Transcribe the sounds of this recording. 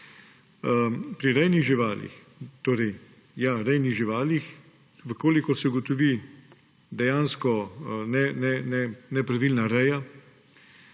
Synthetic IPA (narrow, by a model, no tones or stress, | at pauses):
pɾiɾɛjniɣʒiʋaːlḭx | t̪oːɾɛj | jaɾɛjniɣʒiʋaːlix | ʋəkoːlikɔsɛuɡɔt̪ɔʋi | d̪ɛjaːnskɔnɛnɛnɛnɛpɾaʋilnaɾɛja